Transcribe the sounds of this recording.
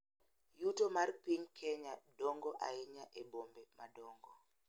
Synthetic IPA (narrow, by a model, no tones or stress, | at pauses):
jutomarpiɲkʰɛɲadɔŋɡɔʔa̰ɪɲaʔebombɛmʔadɔŋɡɔ